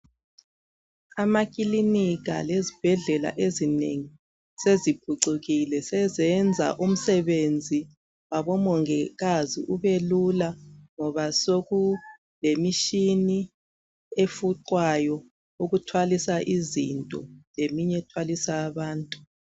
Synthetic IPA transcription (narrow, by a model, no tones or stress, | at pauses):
amak̬ʼiliniɣa̰lezib̥ʱɛɮɛla̰ʔezinḛŋi | sezib̥ʱuǀuɣilɛsɛzɛnd͡zʱa̰ʔum̩sɛβend͡zʱi | waβɔmɔŋɛɣazḭʔuβelulaŋɔβasoɣu | lemiʃini | efuǀwajɔ | uɣutʰwalisaʔizḭntʼɔ̰lemiɲɛtʰwalisaːβaːntʼu